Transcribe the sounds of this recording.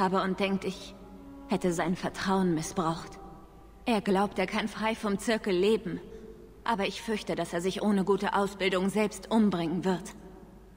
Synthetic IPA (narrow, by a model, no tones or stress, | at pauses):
aːbəʊnt̚d̥ɛŋk̚tɪç | hɛtəzaɪnfɛɐtʁ̥aʊənmɪsb̥ʁaʊxt | ʔeːɐɡlaʊp̚teːɐkʰanfʁ̥aɪfɔmt͡sɪɐkl̩leːbm̩ | ʔaːbɐɪçfʏɐçtədaseːɐzɪçʔoːnəɡuːtəʔaʊsb̥ɪldʊŋzɛlpstʔʊmbʁɪŋənvɪɐt